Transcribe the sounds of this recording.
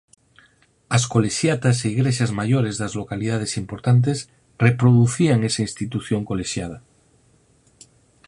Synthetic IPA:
asko̞leʃjat̪as̬eiɣɾeʃ̬azmaʝoɾezðazlo̞kalið̞að̞esimpo̞ɾt̪ant̪̬es | repɾoð̞uθiaŋesainst̪it̪uθjoŋkoleʃjað̞a

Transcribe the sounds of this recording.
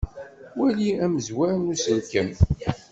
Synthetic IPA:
wæliæməzwæɾnusənkəm

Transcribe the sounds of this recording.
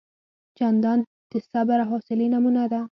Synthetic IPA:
t͡ʃand̪ɑn | t̪ɪsabaɾaɦɔsɪlinamunad̪a

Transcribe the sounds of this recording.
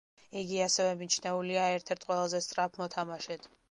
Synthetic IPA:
iɡiasɛvɛmit͡ʃʰnɛuliaɛɾt̪ʰɛɾt̪ʰqʼwɛlˠazɛst̪sʼɾapʰmɔt̪ʰamaʃɛt̪ʰ

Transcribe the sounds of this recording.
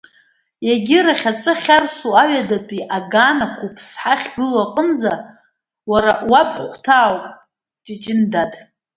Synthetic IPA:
jaɡʲɪɾaχʲat͡ʃʷʼɨχʲarsuaɥadatʷʼiʔaɡaːnakʷʰupʰsħaχʲɡɨlaqʼəmza | waɾawapʰχʷtʰaːwpʼ | d͡ʒʼɪd͡ʒɪndatʰʼ

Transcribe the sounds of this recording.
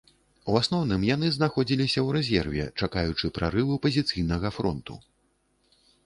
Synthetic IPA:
wasnɔwnɨmjanɨznaxɔd͡zʲilʲisʲɐwɾɛzʲɛrvʲɛ̰t͡ʂakajut͡ʂɨpɾaɾɨvɨpɐzʲit̪sɨjn̪ɐɣɐfɾɔ̰nt̪ṵ

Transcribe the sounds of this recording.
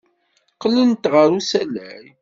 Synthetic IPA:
qələnt̪ʁəɾusælæ̰ɾ

